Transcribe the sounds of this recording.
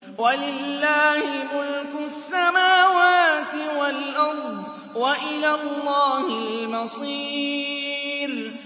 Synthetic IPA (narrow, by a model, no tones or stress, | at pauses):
walɪlːaːhɪmʊlkʊsːamaːwaːt̪ɪwalʔɑɾˤd̪ˤ | waʔɪlalˤːɑːhɪlmɑsˤiː | ɾ